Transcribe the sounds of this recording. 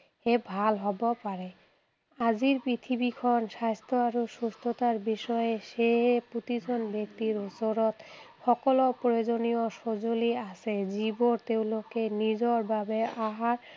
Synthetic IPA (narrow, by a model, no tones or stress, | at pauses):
ebʱalɦɔbopaɾe | ad͡ʑiɾpɾit̪ʰibikʰɔnʃast̪ʰoaɾoʃust̪ʰot̪aɾbiʃɔeʃeɦepɾut̪id͡ʑʰʱonbek̚t̪iɾosoɾot̪fɔkolopɾojod͡ʑonioʃod͡ʑoliasʰed͡ʑiboɾt̪ewlokenid͡ʑoɾbʱabeaɦaɾ